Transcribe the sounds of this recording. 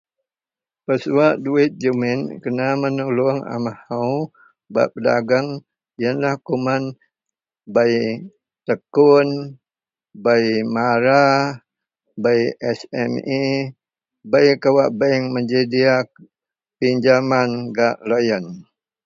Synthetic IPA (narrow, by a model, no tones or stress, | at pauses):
pəsuaʔduit̪̚d͡ʒəminkənamənulʊŋa̰mahau | ba̰ʔpəda̰ɡaŋ | jənlahkuman | baj | t̪əkʊn | baimaɾa | bajʔɛsɛmi | bajkawaʔbaŋməɲd͡ʒədiak | piɲd͡ʒamanɡaʔlojən